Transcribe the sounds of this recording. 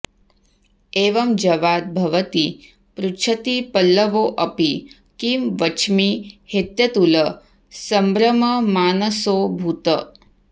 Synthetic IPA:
eːʋɐmd͡ʒɐʋaːd̪̚bʱɐʋɐt̪i | pɾut͡ʃʰɐt̪ipɐlːəʋoːʔɐpi | kimʋɐt͡ʃʰmihet̪jɐt̪ulə | sɐmbɾɐmɐmaːnɐsoːbʱut̪ə̰

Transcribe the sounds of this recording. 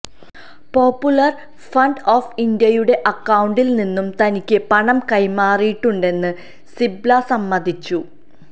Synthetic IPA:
po̞ːpːjulɐr | fɐɳɖoːfind̪jɐjuɽe̞ʔɐkːɐwuɳɖilninːumt̪ɐnikʲːɨpɐɳɐmkɐjmaːrijiʈːuɳɖe̞nːɨ | siblɐsɐmːɐd̪ʱit͡ɕːu

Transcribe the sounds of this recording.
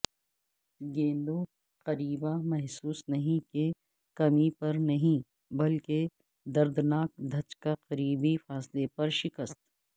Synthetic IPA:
ɡẽːnd̪o | qɐɾiːbamɛɦsuːsnɐɦĩke | kɐmipɐɾnɐɦĩ | bɐlke | d̪ɐɾd̪naːk̚d̪ʱɐt͡ʃkaqɐɾiːbifaːslepɐɾʃɪkəst̪

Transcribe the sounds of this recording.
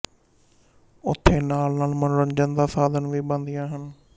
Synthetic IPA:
ʊt̪ʰeːnaːlnaːlmənɾə̃ɲd͡ʒənd̪aːsaːd̪ənʋiːɓə̃nd̪ijãːɦən

